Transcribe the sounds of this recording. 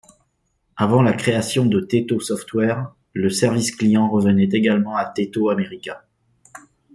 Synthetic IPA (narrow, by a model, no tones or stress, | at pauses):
avɑ̃lakχeasjɔ̃d̪ət̪et̪osɔft̪wɛʁ | ləsɛʁvisklijɑ̃ʁəvənɛt̪eɡalmɑ̃at̪et̪oameʁikʲɛ̃